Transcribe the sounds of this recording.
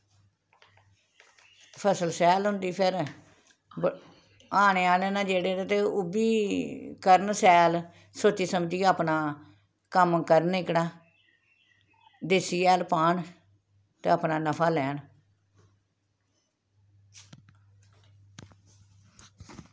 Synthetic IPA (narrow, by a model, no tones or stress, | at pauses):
pʰəsəlsɛːlɦʊ̃nd̪iːpʰɪɾ | aːɽ̃eːaːleːnãːd͡ʒeːɽeːɾeːt̪eːʊbiːkəɾnsɛːl | soːt͡ʃːiːsəmd͡ʒiːaːpnaː | kəmkəɾnɪkɽaː | d̪ɪsiːɛːlpaːɳ | t̪ḛːaːpnaːnəpʰaːlɛːn